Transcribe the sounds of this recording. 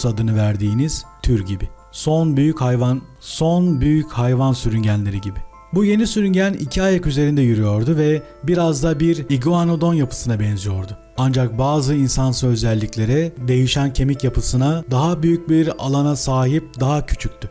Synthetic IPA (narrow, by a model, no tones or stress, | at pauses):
ad̪ɯnɯvæɾd̪iːniz̥t̪ʰyɾɟibɪ | so̞nbyjychajvanso̞nbyjychajvansyɾyɲɟænlʲe̞ɾiɟibɪ | buje̞nisyɾyɲɟænḭcʰiajakyze̞ɾind̪ɛjyɾyjo̞ɾd̪ʊvɛ | biɾazd̪abiɾiɡoano̞d̪o̞njapʰɯ̥sɯnabɛnzijo̞ɾd̪ʊ | and͡ʒak̚baːzɯinsansøøzlɛlʲːiclʲe̞ɾɛd̪e̞jiʃæncʰe̞micjapʰɯsɯnad̪aɦabyjyc̚biɾa̰lˠanasaːɦip̚d̪aɦacʰy̥t͡ʃʰyc̚ʲt̪ʰy